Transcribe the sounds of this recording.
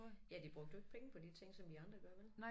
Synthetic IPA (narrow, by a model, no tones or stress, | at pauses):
jæd̥ib̥ʁɔ̽ɡ̥d̥əe̝ɡ̥pʰeŋəpʰɒ̽d̥it͡sʰe̝ŋ̰sɒ̽md̥iɑ̈nd̥ʁɐɡ̥ɶɐʋel